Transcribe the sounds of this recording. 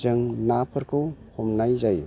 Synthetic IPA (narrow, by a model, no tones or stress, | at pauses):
zɯŋnapʰɯɾkʰɯwhɔmnajzaj